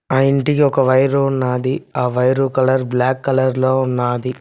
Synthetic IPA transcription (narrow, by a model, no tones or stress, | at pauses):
ɐjiɳʈikiɔkɐʋɐjɾounːaːd̪iaːʋɐjɾuːkɐlɐɾblaːkːɐlɐɾloːunːaːd̪i